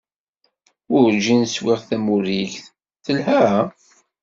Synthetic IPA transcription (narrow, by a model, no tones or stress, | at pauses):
ʊɾd͡ʒinswiʁθæmuɾiʝθ | θəlhæ